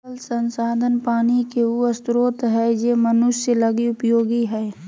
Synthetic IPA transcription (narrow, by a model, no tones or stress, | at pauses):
əlsənsaːd̪ʱənpaːnikeuəst̪ɾoːt̪ɦɛjemənʊʃːelɐɡiʊpjoːɡiɦɛː